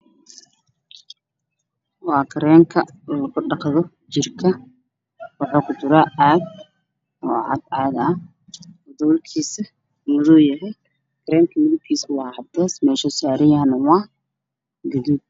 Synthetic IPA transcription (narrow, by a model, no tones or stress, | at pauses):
wɑːkʰɐɾɛːŋkʰɐ | lɐɣʊɖɑqðɔ | t͡ʃɪrkʰɐ | wɑħɔːkʰʊt̪ʊɾaːaːd̪̚ | mɔːʕɑ̰d̪aːðɐ | wd̪ɔːlkʰiːsɐ | mʊðɔːjɐɦɛj | kʰɐɾɛːŋkʰɐmɪðʊb̚kʰiːsɐwɑːhɐd̪ɛːsmɛːʃɐsaːɾɪjanɐwɑː | ɡɐðib̚